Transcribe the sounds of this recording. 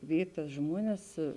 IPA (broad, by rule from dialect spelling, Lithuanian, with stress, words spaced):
ˈʋʲiːj tɐs ˈʒmuɔnʲɛs